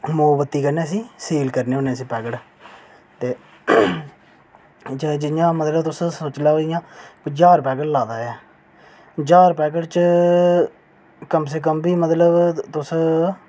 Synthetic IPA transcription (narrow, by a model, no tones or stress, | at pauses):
moːbət̪ːiːkəɾneːsĩːsiːlkəɾneːoːnẽːsiːpɛːkəʈ | t̪eː | d͡ʒd͡ʒɪjãːmət̪ləbt̪ʊssoːt͡ʃlãːɦoːɪjãːkːd͡ʒaːɾpɛːkəʈlaːd̪aːɛː | d͡ʒaːɾpɛːk̬əʈt͡ʃ | kəmseːk̬əmbiːmət̪ləbt̪ʊs